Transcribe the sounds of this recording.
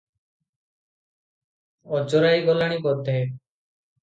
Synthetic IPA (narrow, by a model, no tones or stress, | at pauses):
ɔd͡ʒɔɾajɡɔlaɽ̃ikɔd̪ʱe